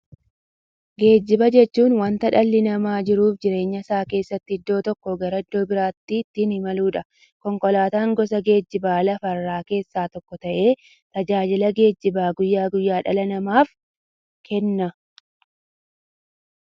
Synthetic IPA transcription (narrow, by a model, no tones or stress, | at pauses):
ɡe̞ːd͡ʒːɪbɐd͡ʒɛt͡ʃːuːnwɐnt̪ɐᶑɐlːɪnɐmaːd͡ʒɪɾuːfd͡ʒɪɾe̞ːɲːɐsaːke̞ːsːɐt̪ːɪɪd̪ːo̞ːt̪ɔkːɔɡɐɾɐɪd̪ːo̞ːbɪɾaːt̪ːit̪ːɪnɪmɐluːᶑɐ | kɔŋkɔlaːt̪aːŋɡɔs̬ɐɡe̞ːd͡ʒːɪbaːlɐfɐrːaːke̞ːsːaːt̪ɔkːɔt̪ɐʔe̞ː | t̪ɐd͡ʒaːd͡ʒɪlɐɡe̞ːd͡ʒːɪbaːɡʊjːaːɡʊjːaːᶑɐlɐnɐmaːf | kʰɛnːɐ